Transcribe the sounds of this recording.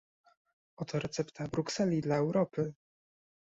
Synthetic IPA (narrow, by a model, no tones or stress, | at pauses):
ɔt̪ʰɔɾɛt̪sɛpt̪ʰabɾuksɛlʲid̪laɛwɾɔpɘ